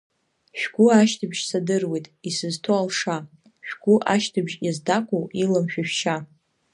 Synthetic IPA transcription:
ʃᶣɡ̥ʷuaʃtʰɨbʒ̥sadɨrwejtʼisɨztʰoalʂa | ʃᶣɡ̥ʷuʔaʃtʰɨbʒjazdakʷʼowilamʃᶣaʃᶣʃa

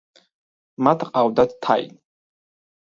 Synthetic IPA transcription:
mat̪ʰqʼawd̪at̪t̪ʰajḭn

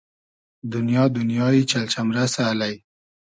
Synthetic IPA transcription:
d̪ʊnjɑd̪ʊnjɑit͡ʃalt͡ʃamɾasaːlaj

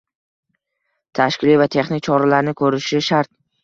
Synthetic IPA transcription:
t̪ʰaʃkʲɪlivat̪ʰe̞χnɪkʲt͡ʃʰɒɾalaɾnɪkʰɵɾɪʃɪʃaɾt̪̚

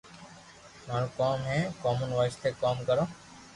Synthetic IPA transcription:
mãlukoːmɦẽːkoːmunʋaːɪst̪ʰeːkaːmkəɾõː

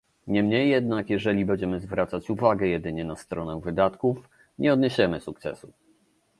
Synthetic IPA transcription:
ɲɛmɲejːɛd̪nakjɛʐɛlʲibɛɲd͡ʑɛmɘzvɾʔat̪sat͡ɕuvaɡɛjɛd̪ɘɲɛnast̪ɾɔnɛvɘd̪at̪kuf | ɲɛɔd̪ɲeɕɛmɘsuk̚t̪sɛ̰su

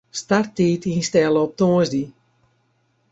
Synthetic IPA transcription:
startiːtʰinstɛlˠəɔp̚toːəzdi

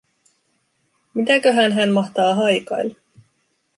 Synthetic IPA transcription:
mit̪ækøɦænɦænmɑht̪ɑːɦɑjkɑ̰jl

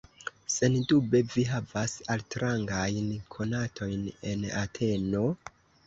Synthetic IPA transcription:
se̞ndube̞viɦavasaltɾaŋɡajnkʰo̞natʰo̞jne̞natʰe̞no̞

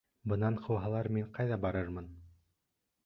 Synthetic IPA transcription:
bɤ̆nɑɴqʰɤ̆wɦɑlˠɑɾmiɴqɑjðɑbɑɾɤɾmɤn

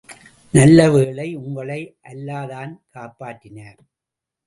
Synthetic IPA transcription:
nɐlːɐʋeːɭɐɪʊŋɡɐɭɐɪʔɐlːaːðaːnkaːpaːʈːɪnaːɾ

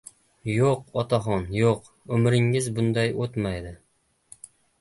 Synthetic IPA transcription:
joqɒt̪ɑχɒnjoq | ɵmɾɪŋːɪzbʊnd̪ɑjot̪mæjd̪ɪ

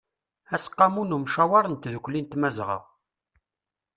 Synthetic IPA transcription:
æsqːɑmunumʃawɑɾˤənt̪ðəkʷːlint̪mæzʁə̰

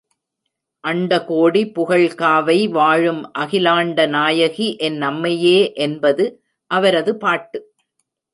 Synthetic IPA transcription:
ʔɐɳɖɐkoːɽipʊɣɐɭkaːʋɐɪʋaːɻɯmʔɐɣɪlaːɳɖɐnaːjɐɣiʔɛnːɐmːɐjeːʔɛnbɐðɯ | ʔɐʋɐɾɐðɯpaːʈːɯ

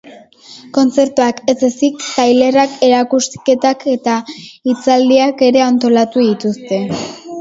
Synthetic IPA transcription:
ko̞nt͡se̞ɾt̪uake̞zesikt̪ajle̞rake̞ɾakuske̞t̪ake̞t̪ait͡sald̪iake̞ɾe̞ant̪o̞lat̪uðit̪ust̪e̞

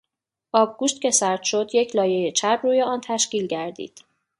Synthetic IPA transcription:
ʔɒːb̚ɡuːʃt̪cʲe̞sæɾt̪ʃo̞d̪je̞cʰlɒːje̞jet͡ʃʰæbruːje̞ɒːnt̪ʰæʃciːlɟæɾd̪ḭːd̪̥

